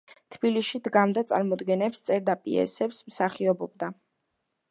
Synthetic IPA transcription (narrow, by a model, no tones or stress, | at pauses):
t̪ʰbiliʃid̪ɡamd̪at̪sʼa̰ɾmɔd̪ɡɛnɛpst̪sʼɛɾd̪apʼḭɛ̰sɛpsmsaχiɔbɔbd̪a